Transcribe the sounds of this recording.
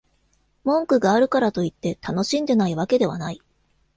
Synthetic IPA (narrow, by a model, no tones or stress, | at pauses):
mõ̞ŋkɯ̟ɡaːɾɯ̟kaɾat̪o̞it̪ːe̞t̪ano̞ɕĩnd̪e̞naiβake̞d̪e̞βanai